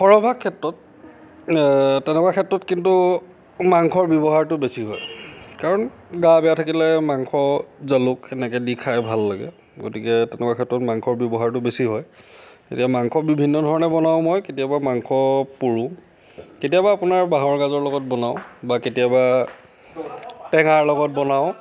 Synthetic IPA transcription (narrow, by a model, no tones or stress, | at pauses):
xɔɹɔbʱakʰːɛtːɹɔt̚ | tɛnɛkwakʰɛtɹɔtkintu | maŋkʰɔɹbjɔbɔɦaɹtʊbesiɦɔjkaɹɔnɡabɛjatʰakilɛmaŋkʰɔzalʊkɛnɛkɛdikʰajbʱalːaɡɛ̰ | ɡo̰tikɛtɛnɛkakʰɛtɹɔtmaŋkʰɔɹbjɔbɔɦaɹtʊbesiɦɔj | ḛtijamaŋkʰɔbibʱinːɔdʱɔɹɔnɛbɔnaw̃mɔjketijabamaŋkʰɔpuɹũ | ketijabaːpʊnaɹbaɦɔɹɡazɔɹlɔɡɔt̚bɔnaʊ̃baketiaba | tɛŋaɹlɔɡɔt̚bɔnaʊ̃